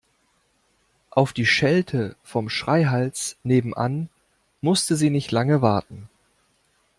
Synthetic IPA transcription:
ʔaʊfd̥iːʃɛltʰəfɔmʃʁ̥aɪɦalt͡sneːbm̩ʔa̰n | mʊstəziːnɪçtlaŋəvaɐtn̩

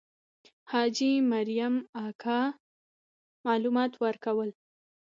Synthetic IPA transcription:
hɑd͡ʒimaɾijamɑkʰɑ | mɑlumɑt̪wəɾkawəl

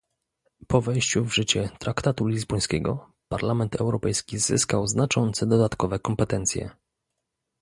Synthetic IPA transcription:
pɔvɛjɕt͡ɕuvʐɘt͡ɕɛt̪ɾakt̪at̪ulʲizbɔj̃skʲɛɡɔ | paɾlamɛnt̪ʰɛwɾɔpɛjskʲizɘ̰skawznat͡ʂɔnt̪sɛd̪ɔd̪at̪kɔvɛkɔmpɛt̪ɛnt̪sʲjɛ̰

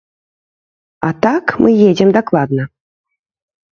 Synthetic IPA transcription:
a̰t̪akmʔɨjed͡zʲɛmd̪aklˠad̪̚nɐ

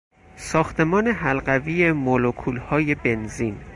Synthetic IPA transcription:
sɒːxt̪ʰe̞mɒːne̞ɦælɢæviːjemolokʰuːlhɒːje̞be̞nziːn

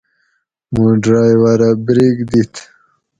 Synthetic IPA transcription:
muɖɾajwaɾabɾiɡd̪it̪ʰ

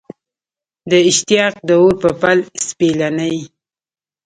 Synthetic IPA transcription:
d̪əɪʃt̪ɪijɑq̚d̪əoɾpəpalspelanəj

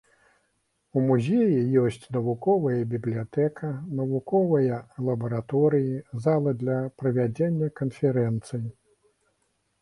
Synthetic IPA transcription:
umuzʲejijɔsʲt͡sʲnɐvukɔvɐjɐbʲiblʲijat̪ɛkɐnɐvukɔvɐjɐlˠɐbɐɾat̪ɔɾɨjizalˠɐd̪lʲɐpɾɐvʲad͡zʲenʲːɐkɐnfʲɛɾɛnt̪sɨji

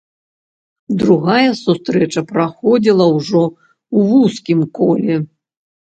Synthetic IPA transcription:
d̪ɾuɣajɐsust̪ɾɛt͡ʂɐpɾaxɔd͡zʲilˠɐwʐɔ | wvuskʲimkɔlʲɛ

